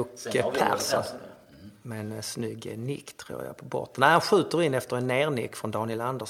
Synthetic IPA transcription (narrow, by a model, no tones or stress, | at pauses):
kpʰæ̰ɾsɔ | mɛɛnsnʏɡnɪkːt̪ʰːɾṵːɾja̰pʰɔbɔ̰t̪ːənæɪhanɧʉ̟ːt̪əɾɪnːɛft̪əɾɛnːeːɾnɪ̰kːfɾɔnd̪ɑːnɪɛland̪ə